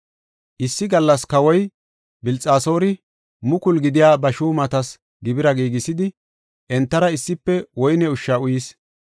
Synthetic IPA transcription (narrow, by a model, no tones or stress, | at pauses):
ʔɪsːɪɡɐlːɐskɐwɔj | bɪlt͡sʼaːso̞ːɾɪ | mʊkʊlɡɪd̪ɪjaːbɐʃuːmɐt̪ɐs | ɡɪbɪɾɐɡiːɡɪsɪd̪ɪ | ʔɛnt̪ːɐɾɐɪsːɪpːɛwɔjnɛʊʃːaʊjiːs